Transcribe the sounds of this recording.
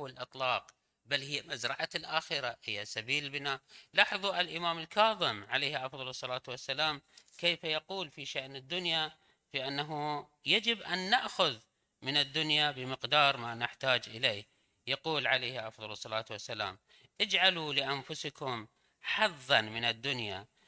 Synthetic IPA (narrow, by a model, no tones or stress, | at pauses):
wlʔɨt̪ˤlɑːq | balːhɪjːamazɾˤɑʕalʔaːxɪɾahɪjːasabiːlbɪnaːlɑħɑðˤuʔalʔɪmaːmɪlkɑːðˤɪmʕaleːhʔɑfðˤɑlɨsˤːɑlaːt̪wasːalaːmkejːfajaquːlfiʃaʔnɪd̪ːʊnja | fiʔanːaɦu | jad͡ʒɪbʔanːaʔxʊð | mɪnɪd̪ːʊnjabɪmɪqd̪ɑːɾˤmaːnɪħt̪aːd͡ʒʔɪleː | jaquːlʕalejhʔɑfðˤɑlɨsˤːɑlaːt̪wasːala̰ːm | ʔɪd͡ʒʕalulɪʔanfʊskʊm | ħɑðˤːɑnmɪnɪd̪ːʊnja̰